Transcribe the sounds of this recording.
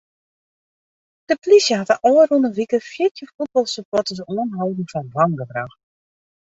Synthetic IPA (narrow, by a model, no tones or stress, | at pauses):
d̥əplisjəɦatəʔɔːərunəʋikəfjɪtʰjəfud̚bɔlˠsəpɔtəs̬uənɦawdn̩fɔnblɑŋɡəbraxt